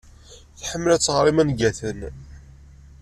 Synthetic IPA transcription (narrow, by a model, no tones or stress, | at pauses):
θħəmːlæt͡sːəʁɾˤimænɡæθən